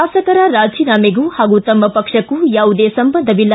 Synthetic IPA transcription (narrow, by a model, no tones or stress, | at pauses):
aːsɐkɐɾɐɾaːd͡ʒiːnaːmeɡuːhaːɡut̪ɐmːɐpɐkʂɐkːujaːʋud̪eːsɐmbɐnd̪ʱɐʋilːɐ